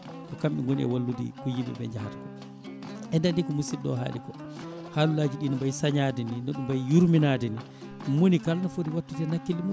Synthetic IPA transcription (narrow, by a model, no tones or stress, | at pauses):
kɔkamɓɛ̰ŋɡonḭɛ̰walːudḭkujimɛ̰bɛ̰ɲd͡ʒahatakɔ | ʔɛdandikɔmusiɗɔ̰ɦa̰ːlḭkɔ | haːlulaːd͡ʒiɗiːnɔmbajsaɲadɛninɔɗumbajjuɾminaːdɛni | monikalnɔfodiwatːutɛnakːilːimu